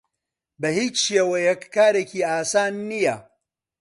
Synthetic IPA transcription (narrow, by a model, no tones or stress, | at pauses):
bɐhiːt͡ʃʃjewɐjɛkːaːɾecʰiːaːsaːnːijɐ